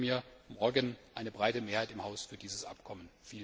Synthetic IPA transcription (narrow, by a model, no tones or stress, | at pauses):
miːɐmɔɐɡənʔaɪnəbʁaɪtəmeːɐhaɪtɪmhaʊsfyːɐdiːzəsʔa̰pkʰɔmənfiː